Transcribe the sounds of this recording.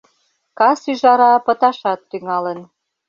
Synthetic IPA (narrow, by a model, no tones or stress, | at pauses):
kɑsyʒɑɾɑpə̆t̪ɑʃɑt̪ːyŋɑlən